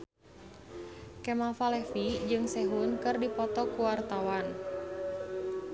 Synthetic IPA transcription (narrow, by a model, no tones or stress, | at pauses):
kɛmafalɛfid͡ʒɨŋsɛɦunkɨrdipɔt̪ɔkuwart̪awan